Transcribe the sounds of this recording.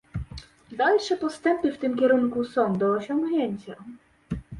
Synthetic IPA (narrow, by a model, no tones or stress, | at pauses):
d̪alʂɛpɔst̪ɛmpɘft̪ɘmkʲɛɾuŋkusɔ̃w̃d̪ɔːɕɔ̃ŋɡɲeɲt͡ɕa